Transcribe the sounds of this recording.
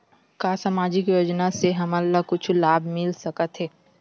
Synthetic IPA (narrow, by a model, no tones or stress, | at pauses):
kaːsaːmaːd͡ʒɪkjoːd͡ʒnaseɦɐməlːakʊt͡ʃʰlaːbʱmɪlsɐkət̪ɦɛː